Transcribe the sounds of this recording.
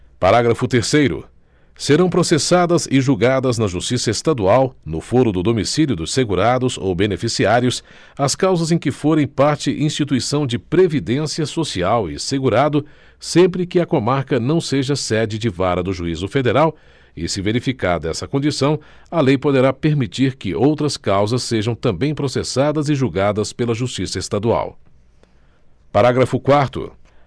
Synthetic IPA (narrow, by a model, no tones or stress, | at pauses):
paɾaɡɾɐfʊt̪eɾsejɾʊ̰ | seɾɐ̃w̃pɾosesad̪ɐzɪʒuɡad̪ɐznɐʒust͡ʃisɐest̪ad̪uawnʊfoɾʊd̪ʊd̪omisiljʊd̪ʊsseɡuɾad̪ʊzo̰wbenefisiaɾjʊs | ɐskawzɐzẽj̃kɪfoɾẽj̃paɾt͡ʃɪʔĩst͡ʃit̪uisɐ̃w̃d͡ʒɪpɾevid̪ẽsiɐsosiawɪ̰seɡuɾad̪ʊ | sẽmpɾɪkɪɐkomaɾkɐnɐ̃w̃seʒɐsɛd͡ʒɪd͡ʒɪvaɾɐd̪ʊʒuizʊfed̪eɾaw | ɪsɪveɾifika̰ɾd̪ɛsɐkõd͡ʒisɐ̃w̃ | ɐlejpod̪eɾapeɾmit͡ʃiɾkɪʔowt̪ɾɐskawzɐsːeʒɐ̃w̃t̪ɐ̃mbẽj̃pɾosesad̪ɐzɪʒuwɡad̪ɐspelɐʒust͡ʃisɐest̪ad̪ua̰w | paɾaɡɾɐfʊkwaɾt̪ʊ̰